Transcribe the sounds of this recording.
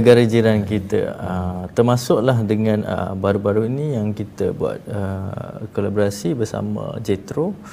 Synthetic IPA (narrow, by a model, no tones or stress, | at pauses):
ɡaɾəd͡ʒiɾankit̪ə̰ət̪ərmasʊʔlaɦdəŋãnə̰baɾubaɾuinijaŋkit̪ə̰bua̰t̪̚əkolaboɾasibərsa̰mə̰̃d͡ʒet̪ɾo